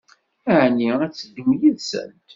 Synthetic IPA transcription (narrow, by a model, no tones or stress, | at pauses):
æʕniæt͡sːəd̪imjəðsə̰nt̪